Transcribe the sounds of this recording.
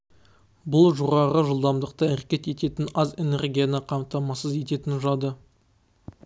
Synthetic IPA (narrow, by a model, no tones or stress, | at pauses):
bʊlˠʒuʁɑʁəʒəlˠd̪ɑmd̪əq̚t̪əɪɾkʲe̞t̪e̞t̪e̞t̪ɪnɑze̞ne̞rɡʲijanəqʰɑmt̪ɑmɑsəze̞t̪e̞t̪ɪnʊʒɑd̪ə